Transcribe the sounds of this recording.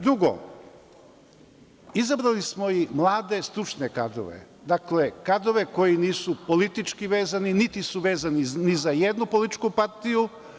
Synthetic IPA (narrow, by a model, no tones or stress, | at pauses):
d̪ɾuɡo̰ | izabɾalismo̞imlˠaːd̪e̞st̪ɾut͡ʃneka̰d̪o̰ʋe̞̰ | d̪akle̞kad̪o̞ʋe̞ko̞jiniːsupo̞lit̪it͡ʃkiʋe̞ːzaninit̪isuʋe̞ːzaninizajed̪nupo̞lit̪t͡ʃkupaɾt̪iju